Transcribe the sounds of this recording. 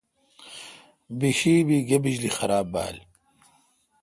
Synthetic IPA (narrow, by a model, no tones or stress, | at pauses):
biɕiːbiɡebid͡ʑlixɐɾaːbːa̰ːli